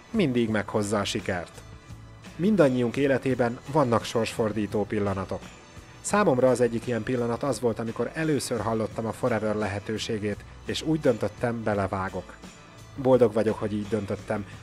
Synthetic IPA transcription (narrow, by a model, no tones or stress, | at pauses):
mind̪iɡmɛkho̞zːɒːʃikɛrt̪ | mind̪ɒɲːijuŋkeːlɛt̪eːbɛnvɒnːɒkʃo̞rʃfo̞rd̪iːt̪oːpilːɒnɒt̪o̞k | saːmo̞mrɒːzɛɟːikijɛmpilːɒnɒt̪ɒzʋo̞lt̪ɒmiko̞ɾɛløːsø̞rɦɒlːo̞t̪ːɒmɒfo̞ɾɛvørlɛɦɛt̪øːʃeːɡeːt̪ | eːʃuːɟd̪ø̞nt̪ø̞t̪ːɛmbɛlɛvaːɡo̞k | bo̞ld̪o̞ɡʋɒɟo̞kho̞ɟiːɟd̪ø̞nt̪ø̞t̪ːɛm